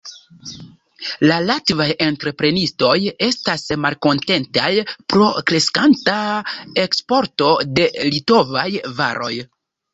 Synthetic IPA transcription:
lalatvaje̞ntɾe̞pɾe̞nisto̞je̞stasmalko̞nte̞ntajpɾo̞kɾe̞skantae̞kspo̞ɾto̞de̞lito̞vajva̰ɾʔo̞̰j

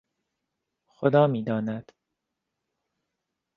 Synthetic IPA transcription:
xod̪ɒːmiːd̪ɒːnæd̪̥

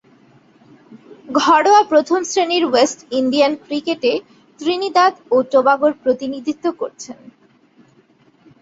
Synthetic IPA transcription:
ɡʱɔɽoapɾot̪ʰomsɾeniɾwesʈinɖijankɾikeʈe | t̪ɾinid̪ad̪oʈobaɡoɾpɾot̪inid̪ʱit̪ːokoɾt͡ɕʰen

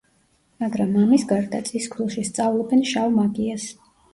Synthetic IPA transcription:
maɡɾamːamisɡaɾd̪at̪sʼiskʰulˠʃist̪sʼavlˠɔbɛnʃavmaɡʼias

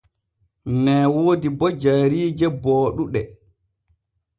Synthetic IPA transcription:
nɛːwoːdibɔd͡ʒaɾiːd͡ʒɛbɔːɗuɗɛ

